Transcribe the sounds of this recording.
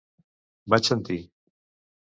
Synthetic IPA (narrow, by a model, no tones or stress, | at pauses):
bat͡ʃant̪i